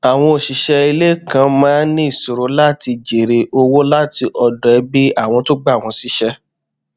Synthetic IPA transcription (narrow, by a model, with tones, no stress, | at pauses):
a˨w̃ɔ̃˧o˨ʃi˨ʃɛ˧i˧le˦kã˧mãː˦nĩ˦i˦˨so˨ɾo˨˦la˦ti˧d͡ʒe˨ɾe˧ʔo˧wo˦la˦ti˧ʔɔ˧dɛ˨˧˦bi˦a˦˨w̃ɔ̃˧to˦ɡ͡ba˦˨w̃ɔ̃˧si˨˦ʃɛ˦